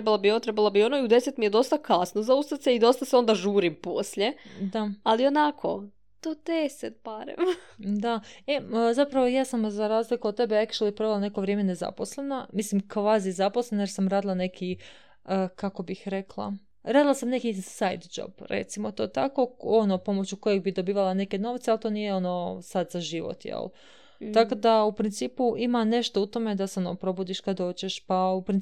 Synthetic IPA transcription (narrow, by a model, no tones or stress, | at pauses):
ɾebalˠobiot̪ɾebalobionoiud̪e̞set̪mijed̪o̞st̪akasnozaust̪at̪seid̪o̞st̪aseo̞nd̪aʒuːɾimposʎed̪aalionakʰo | t̪od̪eset̪̚baɾḛmd̪aezapɾaʋojaːsamzaɾaːzlikoot̪ːebeakʃeljepɾo̞ʋelˠanekoʋɾjeːme̞neza̰poslˠe̞namislimkʋaːzizaposlenajeɾsamɾaːd̪ilˠane̞kʰi | əkako̞bixɾe̞klˠa̰ | ɾaːd̪ilˠasamne̞kisajd̪d͡ʒo̰b̥ɾḛt̪simot̪o̞t̪ako̞o̞nopo̞mo̞t͡ɕuko̞jeɡ̚bid̪o̞biːʋalˠane̞ke̞no̞ʋt̪sealˠt̪o̞ːnijeo̞no̞sad̪z̥aʒiʋo̰t̪jḛl | ako̞d̪aupɾint̪siːpuʔimane̞ʃt̪out̪o̞me̞d̪aseo̞no̰pɾo̞bud̪iʃkad̪o̞ːt͡ɕeʃpaupɾin